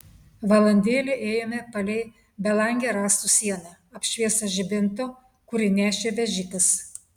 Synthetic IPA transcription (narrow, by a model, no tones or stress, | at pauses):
ʋɐlˠɐnʲd̪ʲeːlʲɪʔeːjoːmʲɛpɐlʲɛɪ | bʲɛlˠɐŋʲɡʲeːɾɑːst̪usʲiɛnɑ | ɐpʲʃʲʋʲiɛsɐʒʲɪbʲɪnt̪oː | kʊɾʲɪnʲæːʃʲeːʋʲɛʒʲiːk̪ɐs